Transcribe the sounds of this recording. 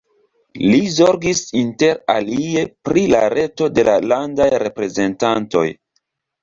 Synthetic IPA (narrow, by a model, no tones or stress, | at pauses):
lizo̞ɾɡisinte̞ɾa̰lie̞pɾilaɾe̞to̞de̞lalandajɾe̞pɾe̞ze̞ntanto̞̰j